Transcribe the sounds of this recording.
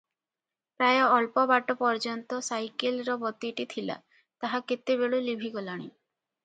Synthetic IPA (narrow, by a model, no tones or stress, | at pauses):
pɾajɔːlpɔbaʈɔpɔɾd͡ʒɔnt̪ɔsajkelɾɔbɔt̪iʈit̪ʰila̰ | t̪aɦaket̪ːibeɭulibʱiɡɔlaɽ̃i